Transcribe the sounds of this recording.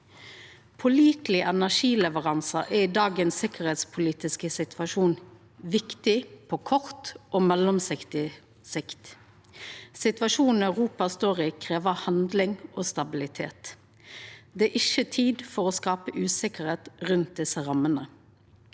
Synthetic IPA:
pʰɔliːt̪lɪʔɛnæʁʃiːlɛʋəʁɑnsɑʔɛɪd̪ɑːɡənsɪkəʁheːt̪spʰʊliːt̪ɪskəsɪt̪ʰʋɑʃuːn | ʋɪkt̪ɪpʰɔːkʰɔʁt̪ʔoːmɛlɔmsɪkt̪ɪ | sɪkt̪ | sɪt̪ʋɑʃuːnn̩œʉʁuːpɑst̪oːʁɪkʰʁeːʋəhɑnd̪lɪŋʔoːst̪ɑbɪlɪt̪ʰḛːt̪ | d̪ɛæʔɪçət̪ʰiːd̪fɔʁoːskɑːpəʔʉːsɪkəʁeːt̪ʁʉnt̪̚d̪ɪsəʁɑmənə

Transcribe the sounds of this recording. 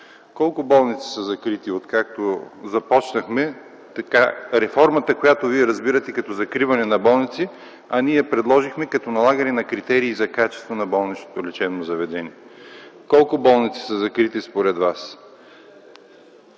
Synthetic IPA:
kɔlˠkʊbɔlˠnit̪si̥səzɐkɾit̪iot̪kak̚t̪ozɐpɔt͡ʃnɐxmɛ | t̪ɐkaɾɛfɔɾmɐt̪əkojat̪oviɛɾɐzbiɾɐt̪ɛkɐt̪ɔzɐkɾivɐnɛnɐbɔlˠnit̪si | ɐniɛpɾɛd̪lˠɔʒixmɛkɐt̪ɔnɐlˠaɡɐnɛnɐkɾit̪ɛɾiːzɐkat͡ʃɛ̥st̪vonɐbɔlˠnit͡ʃno̥t̪olʲit͡ʃɛbnozɐvɛd̪ɛniɛkɔlˠkʊbɔlˠnit̪si̥səzɐkɾit̪ispoɾɛd̪vas

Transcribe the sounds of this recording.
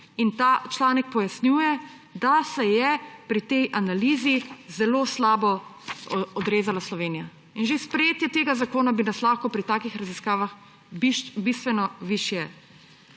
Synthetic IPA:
int̪aːt͡ʃlaːnɛk̚pɔjasnjuːjɛ | d̪asɛjɛpɾit̪ɛjʔanaliːzizɛloːslaːbɔ | ɔd̪ɾeːzalaslɔʋeːnija | inʒespɾɛjeːt̪jɛt̪eːɡazakoːnabinaslaxkɔpɾit̪aːkixɾaziskaːʋax | bbist̪ʋɛnɔʋiʃjɛ

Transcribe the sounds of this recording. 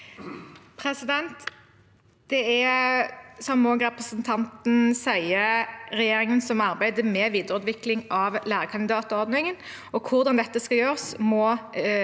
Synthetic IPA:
pʰʁɛsɪd̪ɛnt̪ | d̪̥ɛɛ | sɔmmoːɡʁɛpʁəsənt̪ʰɑnt̪n̩sæɪəɾɛjeːɾɪŋənsɔmɑʁbæɪd̪əmɛʋiːd̪əɾʉːt̪ʋɪklɪŋɑʋlæːʁəkʰɑnd̪ɪd̪ɑːt̪ɔɔʁd̪nɪŋən | ɔkʰʊʁd̪ɑnd̪ɛt̪ːəskɑjøːʁsmɔ

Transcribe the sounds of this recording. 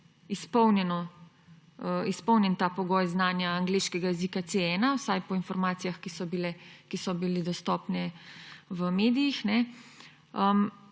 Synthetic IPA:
ispɔwnjɛnɔ | əispɔwnjɛnt̪aːpɔɡɔːjznaːnjaːŋɡleːʃkɛɡajɛzikat̪seɛːnawsajpɔinfɔɾmaːt̪sijaxkisɔbilɛkisɔbilid̪ɔst̪ɔːpnɛ | ʋəmeːd̪ijixnɛ | əm

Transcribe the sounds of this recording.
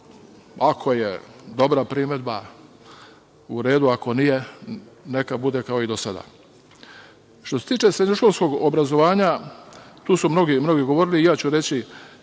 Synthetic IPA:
akʰo̞jḛd̪o̞bɾapɾime̞d̪ba | uɾe̞ːd̪uako̞nije̞ne̞kabud̪e̞kao̞id̪osad̪a̰ː | ʃt̪ose̞t̪iːt͡ʃesɾeɲoʃko̞lˠsko̞ɡobɾazo̞ʋaːɲa | t̪uːsumno̞ɡimno̞ɡiɡo̞ʋoːɾiliːjaːt͡ɕuɾe̞t͡ɕi

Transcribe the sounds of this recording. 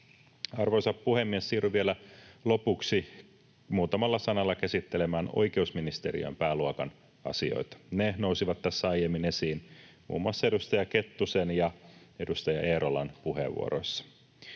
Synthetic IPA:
ɑrʋo̞jsɑppuhe̞mːiesːiːryʋielælo̞puksi | muːt̪ɑmɑlːɑsɑnɑlːɑkæsit̪ːele̞mæːno̞̰jke̞usminist̪e̞ɾḭo̰j̰mpæːluokɑn | ɑ̰sio̞̰jt̪ɑ̥nenousiʋɑt̪ːtæsːæɑjemːine̞siːnmṵːmːuɑsːɑedust̪ɑjɑke̞t̪ːusenjɑe̞dust̪ɑjɑʔeːɾolɑ̰npuhe̞̰ʋːṵo̰ɾo̞̰jsːɑ̥

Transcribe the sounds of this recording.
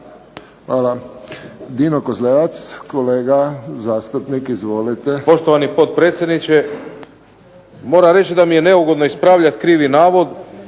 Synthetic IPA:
xʋaːla | d̪iːnokozleʋat̪skoleːɡazaːst̪upnikizʋo̞lit̪epo̞ʃt̪oʋanipo̞t̪̚pɾe̞ːt̪sʲje̞d̪nit͡ɕe | mo̞ːɾaɾe̞t͡ʃid̪amije̞ne̞uɡo̞d̪noispɾaːʋʎat̪kɾiːʋinaːʋod̪

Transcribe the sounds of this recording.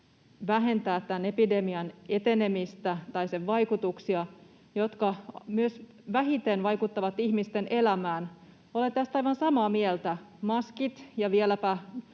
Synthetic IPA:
ʋæɦe̞nt̪æːt̪ːænepide̞miɑnet̪ene̞mist̪æt̪ɑijseʋʋɑikut̪uksiɑ | jot̪kɑmyøs | ʋæɦit̪enʋɑikut̪ːɑʋɑt̪ihmist̪ene̞læmæːn | olet̪t̪æst̪ɑjʋɑnsɑmɑːmielt̪æmɑskit̪jɑʋielæpæ

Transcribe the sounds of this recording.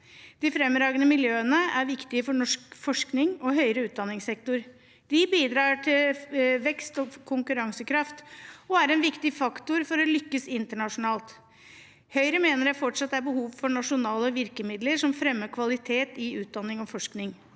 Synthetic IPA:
d̪̥ɪfɾɛmːɾɑːɡənəmɪljøːənəæɾʋɪkt̪ɪəfɔɳɔʂkfɔʂknɪŋɔɦœʏɾəʉːt̪d̪ɑnːɪŋsɛk̚t̪ʊɾ | d̪̥ɪbiːd̪ɾɑːʈʰɪlʋɛkst̪ɔkʰʊŋkʉɾɑŋsəkʰɾɑft̪ɔæɾɛnʋɪkt̪ɪfɑkt̪ʊɾfɔɾɔlʏkːəsɪnt̪əɳɑʂʊnɑːlt̪ | hœʏɾəmeːnəɾɛfɔʈʂɑt̪̚d̪ɛæɾbəhuːʋfɔɳɑʂʊnɑːləʋɪɾkəmɪd̪ləɾʂɔmfɾɛmːəkʰʋɑlɪt̪ʰeːt̪ɪʉːt̪̚d̪ɑnːɪŋɔfɔʂknɪŋ

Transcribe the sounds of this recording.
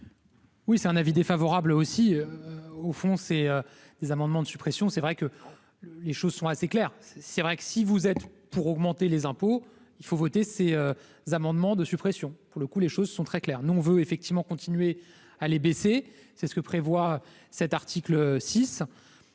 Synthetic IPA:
wisɛt̪ɛ̃navid̪efavɔʁablosiøofɔ̃seø | d̪̥ezamɑ̃d̪mɑ̃d̪əsypχesjɔ̃sɛvʁɛkə | leʃozsɔ̃aseklɛːʁsɛvʁɛksivuzɛt̪puʁɔɡmɑ̃t̪elezɛ̃po | ilfovot̪eseø | zamɑ̃d̪mɑ̃d̪əsypχesjɔ̃puʁləkuleʃozsɔ̃t̪χɛklɛʁnuɔ̃vøefɛk̚t̪ivmɑ̃kɔ̃t̪ʰinɥe | alebesesɛsə̥kəpχevwaø | sɛt̪aʁt̪ʰikløsis

